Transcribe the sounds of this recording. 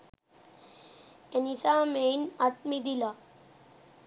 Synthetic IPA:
enisaːmeːnat̪̚mid̪ila

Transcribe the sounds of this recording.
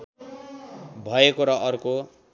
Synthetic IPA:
bʱʌekoɾʌʔʌrko

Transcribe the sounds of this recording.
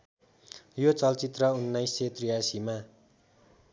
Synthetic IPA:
jot͡sʌlt͡sit̪rʌunːʌjset̪rijasima

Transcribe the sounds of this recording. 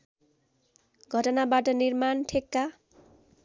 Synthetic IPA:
ɡʱʌʈʌnabaʈʌnirmanʈʰekːa

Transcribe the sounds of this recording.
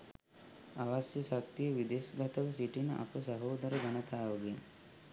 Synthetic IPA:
aʋasjəsak̚t̪ijəʋid̪eːsɡɐt̪ɐʋəsiʈinə̰ʔa̰pəsɐɦoːd̪ɐɾəɡɐnət̪aːʋəɡen

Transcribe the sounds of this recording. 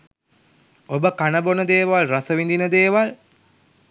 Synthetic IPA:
obəkanəbonəd̪eːʋalrasəʋind̪inəd̪eːʋal

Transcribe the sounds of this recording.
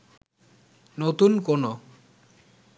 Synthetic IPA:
not̪unkono

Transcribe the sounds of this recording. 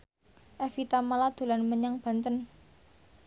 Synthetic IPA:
ʔɛfit̪amalad̪̥o̤lanməɲaŋb̥a̤nt̪ən

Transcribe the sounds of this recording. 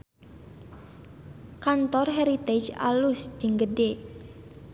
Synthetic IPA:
kant̪ɔrɦɛɾit̪ed͡ʒa̰lusd͡ʒɨŋɡəɖe

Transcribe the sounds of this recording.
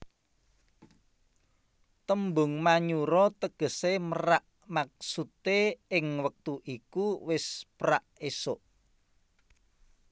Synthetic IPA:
t̪əmbʊ̤ŋmaɲuɾɔt̪əɡ̥ə̤seməɾaʔ | mak̚sut̪eɪŋwək̚t̪uʔikuwɪspɾaʔesʊʔ

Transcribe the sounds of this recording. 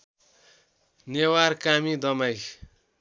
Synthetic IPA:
newarkamid̪ʌmaj

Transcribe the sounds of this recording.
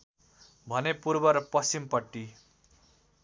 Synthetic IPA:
bʱʌnepurbʌɾʌpʌsimpʌʈːi

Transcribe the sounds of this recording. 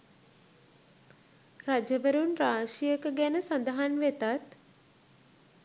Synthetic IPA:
ɾad͡ʒəʋəɾunɾaːʃijəkəɡɛnəsɐnd̪əɦanʋet̪at̪

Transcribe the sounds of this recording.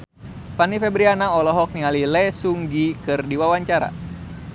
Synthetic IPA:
fanifɛbɾianaɔlɔɦɔk̚nialilɛsuŋɡikɨrdiwawaɲt͡ʃaɾa̰

